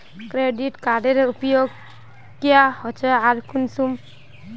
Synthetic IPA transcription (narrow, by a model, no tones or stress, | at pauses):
kɾeɖiʈkaɖeɾupjoɡ̚ | kijahɔt͡ʃʰəaɾkunsum